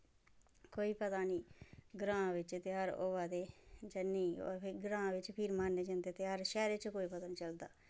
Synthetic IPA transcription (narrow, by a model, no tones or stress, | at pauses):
koːiːpət̪aːniːɡɾãːʋɪt͡ʃt̪ɪaːɾoːʋaːd̪eːd͡ʒənːiːɔ̰ːɾpʰɪɡɾãːʋɪt͡ʃpʰɪɾmaːnːeːd͡ʒə̃nd̪eːt̪ɪaːɾʃɛːɾet͡ʃkoːiːpət̪aːnĩːt͡ʃəld̪a̰ː